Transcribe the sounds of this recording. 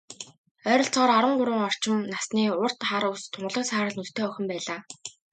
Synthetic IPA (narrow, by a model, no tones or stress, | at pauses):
œːɾɞ̆ɬt͡sɔːɾaɾə̆ɴɢʊɾwə̆ŋɔr̥t͡ɕɪ̆nnasniːʊr̥t̪χaɾʊst̪ʰʊɴɢə̆ɮɞ̆ksaːɾə̆ɮnut̪t̪ʰːeːœxʲɪ̆mpæːɮaː